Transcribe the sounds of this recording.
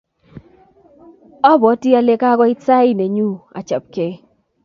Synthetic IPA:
ɔ˦bɔ˨˦ti˦a˦le˦ka˦ɡɔ˦ɪ˦t͡sa˦i˦ne˨ɲu˦a̰˨t͡ʃa̰˨p̚ke˨˦

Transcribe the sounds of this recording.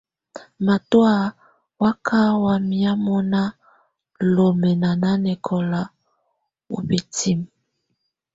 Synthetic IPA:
ma˨twa˦˨ | wa˦kʰa˦wa˨mi˦a˦mɔ˦na˦ | lo˨mɛ˨na˨na˦nɛ˨kʰɔ˨la˦ | o̰˨be˨tʰi˦m

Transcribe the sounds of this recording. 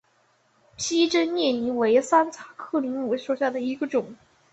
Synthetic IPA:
pʰi˥ʈ͡ʂə˥nnjɛ˥˩ni˧˥we˧˥ɪsa˥nt͡sʰa˨˩˦kʰɤ˥˩li˧˥ŋmu˨˥ʂo˨˩ʊɕja˥˩d̪ə˩i˧˥ɡə˧ʈ͡ʂʊ˨˩˦ŋ

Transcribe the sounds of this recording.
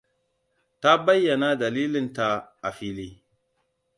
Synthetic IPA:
ta˦ba˦jːɐ˨na˦da˨liː˦lɪ˦nta˨ʔa˨ɸi˦li˦

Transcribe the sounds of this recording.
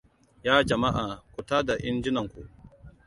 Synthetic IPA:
jaː˦d͡ʒɐ˨ma˦ʔaː˨kʷʊ˨taː˦da˨ʔɪ˦nd͡ʒɪ˦nɐ˨ŋkʷu˨ʔ

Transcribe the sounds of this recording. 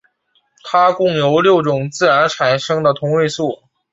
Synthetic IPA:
t̪ʰa˥kʊ˥˩ŋjo˧˥ʊljo˥˩ʊʈ͡ʂʊ˨˩ŋt͡sɹ̩˥˩ɻa˧˥nʈ͡ʂʰa˨˩nʂɤ˥ŋd̪ə˨t̪ʰʊ˧˥ŋwe˥˧ɪsu˥˩

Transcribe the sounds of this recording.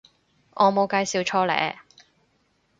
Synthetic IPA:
ʔɔː˨˧mo˨˧wkaː˧jsiː˨˧wt͡ʃʰɔː˥lɛ̰ː˨˩˦

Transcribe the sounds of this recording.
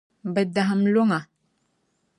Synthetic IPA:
bə˨da˨ɦə˨mlo˦ŋa˨

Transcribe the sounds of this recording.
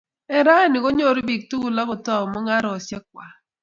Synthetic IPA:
ɛ˨ɾa˦˨nɪ˨ɡɔ˦ɲo˦˨ɾo˦bi˨k̚tu˦ɡu˨la˦kɔ˨tɔ˦˨mɔ˦ŋa˦ɾɔ˨sjɛ˦k̚wa˨

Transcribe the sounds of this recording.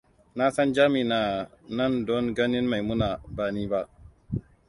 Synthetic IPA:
na˦sɐ˦nd͡ʒaː˦mi˨na˨nɐ˦˨ndɔ˦ŋɡɐ˦nɪ˦nma˨jmʊ˦na˨baː˨niː˦ba˦ʔ

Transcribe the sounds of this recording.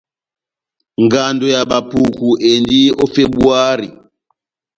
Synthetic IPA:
ŋɡa˨ndɔ˨ja˨ɓa˨pu˨ku˨ʔe˨ndi˦ɔ˦fe˦ɓu˦a˦ɾi˨

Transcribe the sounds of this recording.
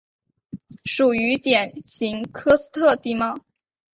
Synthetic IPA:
ʂu˨˩y˧˥t̪jɛ˨˩nɕi˧˥ŋkʰɤ˥sɹ̩˥t̪ʰɤ˥˧t̪i˥˧mɑ˥˩ʊ

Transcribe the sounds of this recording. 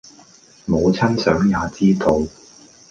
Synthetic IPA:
mo˨˧wt͡sʰɐ˥nsœː˨˥ŋjaː˨˧t͡siː˥t̪o˧w

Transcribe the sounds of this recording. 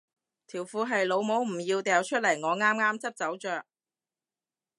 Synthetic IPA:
t̪ʰiː˨˩wfuː˨˧ɦɐ˨jlo˨˧wmo˨˥wm̩˨˩jiː˧wt̪ɛː˨˧wt͡ʃʰɵ˥t̚lɐ˨˩jŋɔː˨˧ŋaː˥mŋaː˥mt͡sɐ˥p̚t͡sɐ˨˥wt͡ʃœː˨k̚

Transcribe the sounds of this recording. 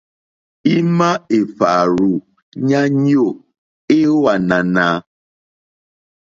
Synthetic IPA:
i˦ma˦e˨fa˨ɾu˨ | ɲa˦ɲ˦o˦˨ | e˦wa˨na˨na˨˦

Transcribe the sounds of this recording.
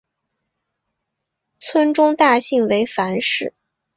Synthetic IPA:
t͡sʰwə˥nʈ͡ʂʊ˥ŋt̪a˥˧ɕi˥˩ŋwe˧˥ɪfa˧˥nʂɻ̩˥˩

